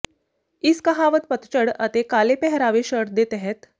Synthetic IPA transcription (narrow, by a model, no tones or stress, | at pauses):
ɪskɐɦaːʋət̪pət̪t͡ʃəɽɐ̰t̪ekaːlepɛɦɾaːʋeʃəɾd̪et̪ɛɦɛt̪